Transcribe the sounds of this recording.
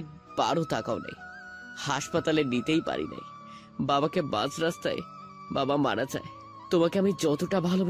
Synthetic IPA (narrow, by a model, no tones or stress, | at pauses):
b̥a̰ɽot̪akaonḛj | haʃpat̪alenit̪ejpa̰ɾḭna̰j | babakebã̰d͡ʑɾast̪ae | babamaɽad͡ʑa̰e | t̪omakeamid͡ʑɔt̪oʈabʱalob